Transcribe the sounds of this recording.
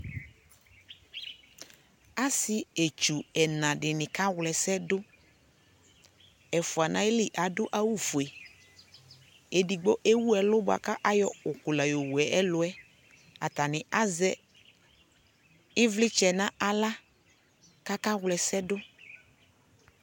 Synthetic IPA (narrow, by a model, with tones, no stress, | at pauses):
a˦sɪ˦e˨t͡ʃu˨ɛ˨nã˨dɪ˨nɪ̃˨ka˦wlɛ˨sɛ˦dʊ˦ | ɛ˨fʊ˨a˨nã˦ɪ˦lɪ˨ʔa˨dʊ˦ʔa˦wu˦˨fu˨e˨ | e˨di˨ɡ͡bo˦ʔe˦wu˦ɛ˨lʊ˦bʊ˦˨a̰˨ka˦ʔa˦jɔ˦ʊ˨kʊ˨la˨jo˨wu˨ɛ˨ʔɛ˦lʊ˦ɛ˦ | a˨ta˨nɪ̃˨ʔa˦zɛ˦ | ɪ˦vlɪ˦t͡ʃɛ˨nã˦a˨la˦ | ka˦ka˦wlɛ˨sɛ˦dʊ˦